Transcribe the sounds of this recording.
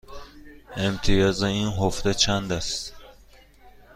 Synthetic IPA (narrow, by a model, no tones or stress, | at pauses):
emt̪ʰijɒːzeinɦofd̪et͡ʃʰænd̪æst̪